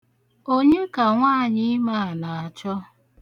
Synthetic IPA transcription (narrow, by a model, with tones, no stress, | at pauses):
o˦ɲe˦ka˨ŋʷaː˦˨ɲɪ˦ma˦˨na˨a˨t͡ʃɔ˦